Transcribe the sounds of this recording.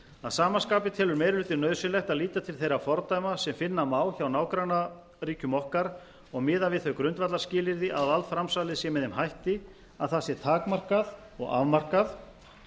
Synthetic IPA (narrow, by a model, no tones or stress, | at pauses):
aðsaːmanskaːpɪt̪ʰɛːlʏɾmejɾlʏːt̪ɪɾnœːðsʏnlɛxt̪aðliːt̪at̪ʰɪlθejɾafɔɾt̪ajmasɛmfɪnːamaːwçawnaːwkɾana | ɾiːcʏmɔhkaɾ | ɔɣmɪːðavɪðθœɥkɾʏnt̪vat̪laɾscɪːlɪɾðɪʔaðalt̪fɾamsaːlɪsjɛmɛðɪmhajht̪ɪ | aðθasjɛɾt̪ʰaːkmar̥kað | ɔ̰ɣa̰vmar̥kaθ